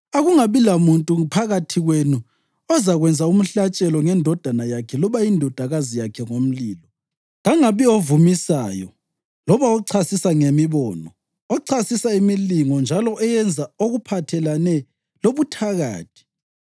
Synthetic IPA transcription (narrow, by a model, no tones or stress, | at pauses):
aɣuŋaβilamuntʼupʰaɣatʰiɣwenu | ɔzaɣwɛnd͡zʱaum̩ɬat͡ʃʼɛlɔŋɛndʱɔd̥ʱanajakʰɛlɔβaindʱɔd̥ʱaɣazijakʰɛŋom̩liːlɔ | ɣaŋaβiovumisa̰ːjɔ̰ | lɔβaɔǀʰasisaŋemiβɔːnɔ̰ | ɔǀʰasisaimiliŋɔnd͡ʒʱalɔʔɛjɛnd͡zʱaoɣupʰatʰɛlanɛ | loβutʰaɣa̰ːtʰi̥